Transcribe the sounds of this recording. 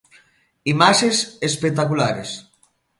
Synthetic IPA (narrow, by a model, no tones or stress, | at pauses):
imaʃesespek̚t̪akulaɾes